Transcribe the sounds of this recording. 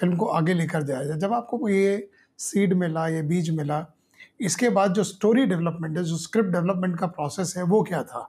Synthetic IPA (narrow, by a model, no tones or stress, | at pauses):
fɪlmkoʔaːɡeleːkəɾd̪ejad͡ʒaːd͡ʒɐbaːp̚koje | siːɖmɪlajebiːt͡ʃmɪla | ɪskebaːd̪̚d͡ʒoːsʈoːɾiɖɛʋləpmɛ̃ɳʈɦɛd͡ʒoːskɾɪp̚ʈ̚ɖɛʋləpmɛ̃ɳʈkapɾɔːsɛsɦɛʋokjat̪ʰa̰ː